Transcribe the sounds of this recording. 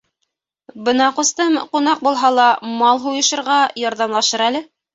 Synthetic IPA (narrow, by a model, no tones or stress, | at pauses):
bɤnɑqŏst̪ɤmqunɑq̚bulˠɦɑlˠɑmɑlˠɦujɤ̆ʃɤ̆ɾʁɑjɑɾðɑmlˠɑʃɤɾælɘ